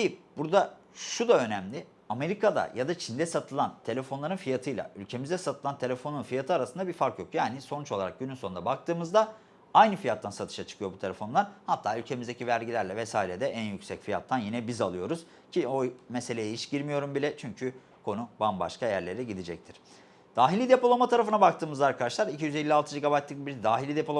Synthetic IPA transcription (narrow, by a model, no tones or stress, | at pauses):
ejpbuɾd̪a | ʃud̪aø̞næmlʲɪ | ame̞ɾikad̪a̰jad̪at͡ʃʰind̪ɛsat̪ʰɯlˠant̪ʰe̞lʲe̞fo̞nlˠaɾɯnfijat̪ʰɯjlˠa̰ylʲcʰe̞mizd̪ɛsat̪ʰɯlˠant̪ʰe̞lʲe̞fo̞nunfijat̪ʰɯaɾasɯnd̪abiɾfaɾkjo̞kjaːnɪso̞nut͡ʃo̞lˠaɾa̰k̚ɟynynso̞nd̪abak̚t̪ɯːmɯzd̪a | ajnɯfijat̪ːansat̪ʰɯʃat͡ʃʰɯ̥kʰɯjo̞but̪ʰe̞lʲe̞fo̞nˠaɾhat̪ʰːaːylʲcʰe̞mizd̪e̞civæɾɟilʲæɾlʲɛvɛsaːiɾed̪ɛʔænjycsɛcfija̰t̪ʰːanjinɛbizalˠɯjo̞ɾuz | cʰio̞mese̞lʲejɛiʃɟiɾmijo̞ɾumbilʲɛt͡ʃʰyɲcʰy | kʰo̞nubamba̰ʃkajæɾlʲe̞ɾɛɟid̪id͡ʒɛc̚t̪ʰiɾ̥ | d̪̥aːɦilʲid̪e̞polˠomat̪ʰaɾafɯnabak̚t̪ʰɯːmɯzlaaɾkʰad̪aʃlˠaɾicʰijyzelʲːialˠt̪ʰɯd͡ʒiɡabajt̪lʲˠɯkbiɾd̪aːɦilʲid̪e̞pʰolˠo